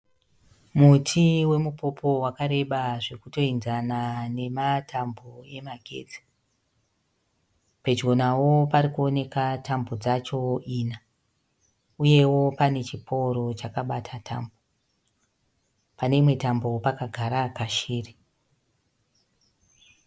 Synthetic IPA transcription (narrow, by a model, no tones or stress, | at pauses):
mutʰiwe̞mupo̞po̞wakaɾe̞ɓaʐe̞kuto̞inzanane̞matʰamboe̞maɡʱe̞̰ːd͡zi̥ | pe̞d͡ʒɡo̞nawo̞paɾikuone̞katʰambod͡zat͡ʃo̞ina | uje̞wo̞pane̞t͡ʃipʰoɾo̞t͡ʃakaɓatʰatʰa̰mbo | pane̞imwe̞tambo̞pakaɡʱaɾakaʃiːri